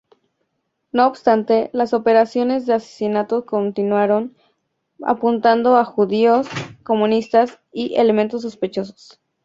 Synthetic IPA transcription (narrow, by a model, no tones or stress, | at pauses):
no̞ːbst̪ant̪e̞laso̞pe̞ɾasjo̞ne̞zðe̞ase̥sinat̪oko̞nt̪inwaɾo̞n | a̰punt̪and̪o̞axuðiosko̞mũnist̪as | iʔele̞mẽnt̪o̞s̬ːospe̞t͡ʃo̞so̥s